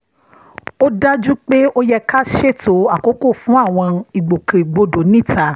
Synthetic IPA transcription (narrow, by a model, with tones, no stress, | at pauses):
o˦da˦d͡ʒu˦k͡pe˦o˦jɛ˧ka˦ʃe˦˨to˨˦a˦˨ko˨˦ko˦˨fũ˨˦a˦˨w̃ɔ̃˧i˨ɡ͡bo˨kẽ˨ɡ͡bo˧do˨˦nĩ˦˨ta˨˦